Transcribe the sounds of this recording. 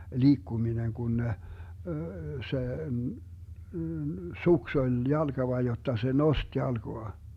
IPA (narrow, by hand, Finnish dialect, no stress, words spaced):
liːkːuminen ɡ̊un ne se suks olʲ jɑlɡ̊ɑʋɑ jotːɑ se nost jɑlɡ̊oɑ